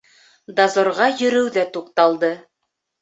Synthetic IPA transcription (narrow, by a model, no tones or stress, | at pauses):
d̪ɑzŏɾʁɑjɵ̆ɾɘwðæt̪uq̚t̪ɑlˠd̪ɤ